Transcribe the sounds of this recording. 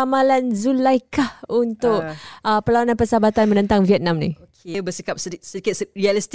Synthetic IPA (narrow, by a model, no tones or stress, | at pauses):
amalanzulajkahunt̪ʊkʔəpəlawanãnpəsabat̪anmə̃nə̃nt̪aŋviɛt̪̚nãmnḭ̃okebəsikap̚səisədikɪt̪̚srialist̪